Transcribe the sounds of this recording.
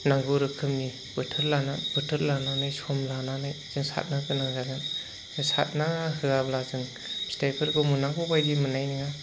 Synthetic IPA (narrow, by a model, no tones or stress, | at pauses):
naŋɡɯɾɯkʰɯmni | bɯtʰɯɾlanab̥ɯtʰɯɾlananajsɔmlananajz̥ɯŋsa̰t̚nakɯnaɯazan | zɯŋsa̰t̚nahɯablazɯŋ | stajpʰɯɾɡɯmunaŋɡɔbajɡimɯnajniŋa